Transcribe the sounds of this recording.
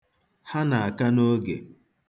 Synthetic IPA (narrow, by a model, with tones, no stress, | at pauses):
ha˦na˨a˨ka˦no˦ɡḛ˨